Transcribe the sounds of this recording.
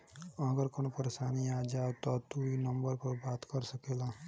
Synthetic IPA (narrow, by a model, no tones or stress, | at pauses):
əɡəɾkonopəɾesaniad͡ʒawt̪ɔt̪uinəmbəɾpəɾbat̪kəɾsəkela